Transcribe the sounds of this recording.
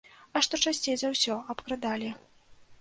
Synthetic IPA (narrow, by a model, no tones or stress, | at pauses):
ɐʂt̪ɔt͡ʂasʲt͡sʲejzɐwsʲɔɐpkɾɨd̪alʲi